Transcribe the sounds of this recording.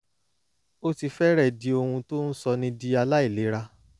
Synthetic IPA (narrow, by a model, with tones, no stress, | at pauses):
o˦ti˧fɛ˦ɾɛ˦˨di˨˧o˧hũ˧to˦n̩˦sɔ˧nĩ˧di˦a˧la˦i˦˨le˨˦ɾa˧